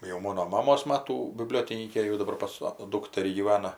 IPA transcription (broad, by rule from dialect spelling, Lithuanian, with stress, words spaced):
jɛʊ ˈmoːnoː ˈmɑːmoːs ˈmɑːtuː bʲɪˈbʲlʲoːtʲɪnʲiːkʲeː jɛʊ dɐˈbɐr pɐs sɐ ˈduːktʲɛrʲiː ɡʲiːˈʋɑːnɐ